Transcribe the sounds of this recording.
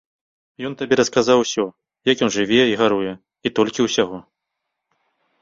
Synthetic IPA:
jɔnt̪abʲɛɾɐskazawsʲɔ | jɐkjɔnʐɨvʲɛiɣaɾujɛ | it̪ɔlʲkʲiwsʲaɣɔ

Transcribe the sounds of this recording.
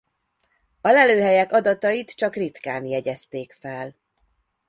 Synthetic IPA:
ɒlɛløːɦɛjɛkɒd̪ɒt̪ɒjit̪t͡ʃɒkrit̪ka̰ːnjɛɟɛst̪eːkfɛl

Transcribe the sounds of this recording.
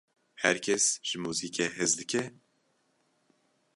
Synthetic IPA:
hɛɾkʰɛsʒ̥ɨmuːziːkʰehɨzd̪ɨkʰɛ

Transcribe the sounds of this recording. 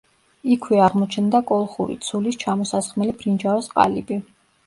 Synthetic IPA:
ikʰwɛaʁmɔt͡ʃʰnd̪akʼɔlˠχuɾḭt̪sʰulist͡ʃʰamɔsasχmɛlibʰɾind͡ʒawɛsqʼa̰libi

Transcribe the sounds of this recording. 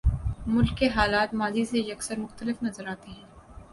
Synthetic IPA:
mʊlkːeɦaːlaːt̪maːzisejɐksəɾmʊxt̪əlɪfnɐzəɾaːt̪eɦɛ̃ː

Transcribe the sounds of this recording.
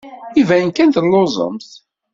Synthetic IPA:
ivæjənkænt̪lːozˤə̰mθ

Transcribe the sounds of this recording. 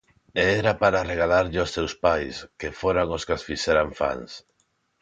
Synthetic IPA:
eɛɾapaɾareɣ̞alaɾʎɪost̪ewspajskefoɾaŋoskasfisɛɾaɱfa̰ŋs

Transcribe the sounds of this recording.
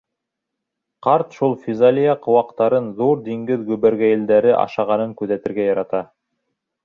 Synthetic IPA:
qɑɾt̪ʃulˠfʲizalʲijɑqŏwɑqt̪ɑɾɤnðuɾd̪iŋɡɘðɡʉβæɾɡæjɘ̆ld̪æɾɘʔɑ̰ʃɑʁɑnɤŋkʉðæt̪ɘ̆ɾɡæjɑɾɑt̪ɑ

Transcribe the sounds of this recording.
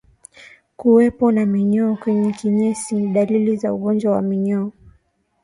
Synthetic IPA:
kuwɛpɔnamiɲɔːkwɛɲɛkiɲɛsiɗalilizauɠɔnd͡ʒwawa̰miɲɔː

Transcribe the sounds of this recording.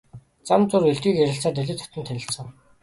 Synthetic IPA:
t͡samt͡sʊreɮt̪iːkæɾʲɪ̆ɬt͡saːt̪̬eɮʲɪ̆t̪ʰɔ̥t̪ɵ̆nt̪ʰænʲɪ̆ɬt͡ssə̆ŋ

